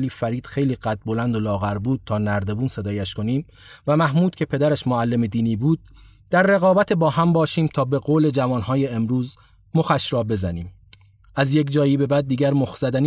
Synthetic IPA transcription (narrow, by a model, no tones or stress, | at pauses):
liːfæɾiːd̪̥xe̞jliːɢæt̪̚bo̞lænd̪o̞lɒːɣæɾbuːd̪̥̚t̪ʰɒːnæɾd̪e̞buːnse̞d̪ɒːjæʃkʰo̞niːm | væmæhmuːd̪̥̚cʰe̞pʰe̞d̪æɾæʃmoælːe̞me̞d̪iːniːbuːd̪̥̚ | d̪̥æɾːe̞ɣɒːbæt̪ʰebɒːhæmbɒːʃiːmt̪ʰɒːbe̞ɣoːle̞d͡ʒævɒːnhɒːje̞emɾuːz | moxæʃɾɒːbe̞zæniːm | ʔæzje̞cd͡ʒɒːjiːbe̞bæːd̪̚ːiːɟæɾmoxz̥æd̪æn